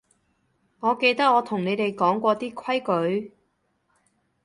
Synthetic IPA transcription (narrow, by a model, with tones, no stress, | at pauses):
ŋɔː˨˧ke˧jt̪ɐ˥k̚ŋɔː˨˧t̪ʰʊ˨˩ŋne˨˧t̪e˨jkɔː˨˥ŋkʷɔː˧t̪iː˥kʷʰɐ˥jkɵ˨˥ɥ